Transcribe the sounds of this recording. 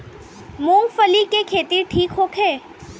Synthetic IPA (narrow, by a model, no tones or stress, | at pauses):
mũːmfəlikekʰeːt̪iʈʰiːkɦoːkʰeː